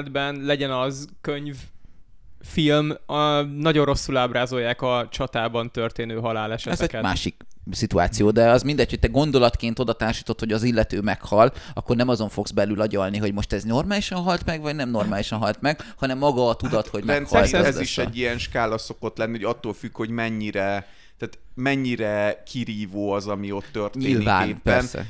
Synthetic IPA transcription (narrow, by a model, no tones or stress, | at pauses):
d̪bɛnlɛɟɛnɒzkøɲv | filmnɒɟo̞nro̞sːulaːbɾaːzo̞jːaːkɒt͡ʃɒt̪aːbɒnt̪ørt̪eːnøːɦɒlaːlɛʃɛɛzɛɟɛma̰ːʃiksit̪ua̰ːt̪sijoːd̪ɛɒzmind̪ɛcʰho̞c̚t̪ɛɡo̞nd̪o̞lɒt̪keːnt̪od̪ɒt̪aːrʃiːt̪o̞t̪ho̞ɟɒzilːɛt̪øːmɛkhɒlːɒ̰kːo̞rnɛmɒzo̞ɱfo̞ɡz̥bɛlylɒɟɒlniɦo̞ɟmo̞ʃt̪ɛzno̞rmaːliʃɒnɦɒlt̪mɛɡvɒɟnɛmno̞rmaːliʃɒnɦɒlt̪mɛɡ̥hɒnɛmːɒɡɒːt̪ud̪ɒt̪ho̞ɟmɛkhɒlɛziʃɛɟːijɛnʃkaːlɒso̞ko̞t̪lɛnːihoɟɒt̪ːoːlfykho̞ɟmɛɲːiɾɛ | t̪aːt̪mɛɲːiɾɛkʰiɾiːvoːɒzɒmio̞t̪ːørtɲeːlvaːneːpɛnsɛ̰